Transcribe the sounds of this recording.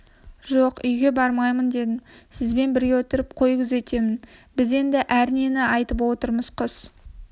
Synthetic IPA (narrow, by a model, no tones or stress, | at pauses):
ʒoqʏjɡʲe̞bɑɾmɑjmənd̪e̞d̪ɪnsɪzbe̞nbɪɾɡʲe̞wot̪əɾəp̚qʰo̞jəkʲʰɪze̞t̪e̞mɪnbɪze̞nd̪ɪʔæɾne̞nɪɑjt̪əpwo̞t̪əɾməz̥qʰos